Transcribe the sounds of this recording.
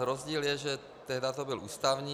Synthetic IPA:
ɾozɟiːljɛʒɛ | t̪ɛɦdat̪obɪlʔuːst̪avɲiː

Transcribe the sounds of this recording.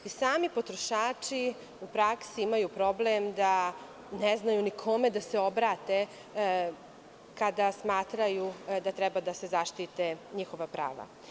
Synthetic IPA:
isaːmipo̞t̪ɾoʃaːt͡ʂi | upɾaksiimajupɾo̞blemd̪a | neznajunikʰo̞me̞d̪aseo̞bɾaːt̪e | kad̪asmaːt̪ɾajud̪at̪ɾɛbad̪ase̞zaʃt̪it̪eɲixo̞ʋapɾa̰ːʋa̰

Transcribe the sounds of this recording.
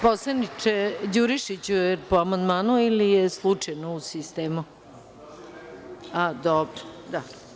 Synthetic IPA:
poslˠanit͡ʃed͡ʑuɾiʃit͡ɕujepoamand̪maːnuilijeslˠut͡ʂajnousist̪eːmu | ad̪obɾod̪a

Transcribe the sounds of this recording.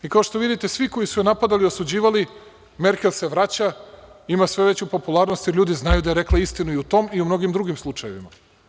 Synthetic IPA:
ikao̞ʃt̪o̞ʋid̪it̪e̞sʋiko̞jisujenapad̪aliosud͡ʑiːʋali | me̞ɾkelˠse̞ʋɾat͡ɕaimasʋe̞ʋe̞t͡ɕupo̞pulˠaɾnost̪jeɾʎʲuːd̪iznajud̪aje̞ɾe̞klˠaist̪inuiut̪o̞ːmiumno̞ɡimd̪ɾuɡimslˠut͡ʂaje̞ʋḭma

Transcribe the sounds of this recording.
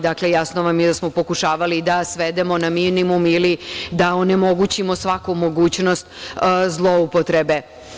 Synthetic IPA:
d̪aklejasnoʋamjɛd̪asmopo̞kuʃaːʋalid̪asʋed̪emo̞naminimumilid̪aonemo̞ɡut͡ɕimo̞sʋakumo̞ɡuːt͡ɕno̞st̪zlˠoupot̪ɾebe

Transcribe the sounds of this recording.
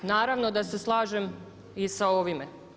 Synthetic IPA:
naːɾaʋno̞d̪ase̞slˠaːʒem | isao̞ʋime

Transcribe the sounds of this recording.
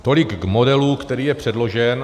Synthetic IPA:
t̪o̞lɪɡɡmo̞dɛluːkt̪ɛɾiːjɛpr̝̥ɛdlo̞ʒɛn

